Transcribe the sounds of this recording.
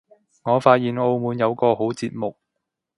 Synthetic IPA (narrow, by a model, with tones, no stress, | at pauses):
ŋɔː˨˧faː˧t̚jiː˨no˧wmuː˨˧njɐ˨˧wkɔː˧ɦo˨˥wt͡siː˧t̚mʊ˨k̚